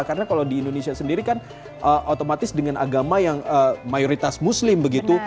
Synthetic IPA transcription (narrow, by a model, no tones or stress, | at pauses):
karnakalawdiːndonesiasəndiɾikan | ʔəʔot̪omat̪ɪsdəŋanʔa̰ɡamajaŋəmajoɾit̪asmuslɪmbəɡit̪u